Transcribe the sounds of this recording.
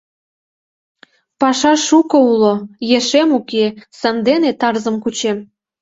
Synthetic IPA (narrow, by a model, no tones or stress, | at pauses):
pɑʃɑʃukoulojeʃemukesɑnd̪enet̪ɑrzə̆mkut͡ɕem